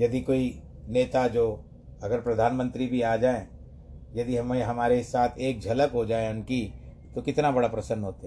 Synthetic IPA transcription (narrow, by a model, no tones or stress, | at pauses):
jɐd̪ikoːi | neːt̪ad͡ʒoː | ɐɡəɾpɾɐd̪ʱaːnmə̃nt̪ɾibʱiaːd͡ʒaːẽ | jɐd̪iɦɐmeɦɐmaːɾesaːt̪ʰeːk̚d͡ʒʱɐləkɦod͡ʒaːeʊnki | t̪okɪt̪nabɐɽapɾɐsə̃nːɦoːt̪eɦɛ